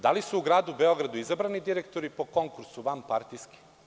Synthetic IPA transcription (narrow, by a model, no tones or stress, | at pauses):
d̪alisuːɡɾaːd̪ubeo̞ɡɾad̪uizabɾanid̪iɾekt̪oɾipo̞ko̞ŋkuɾsuʋampaɾt̪ijski̥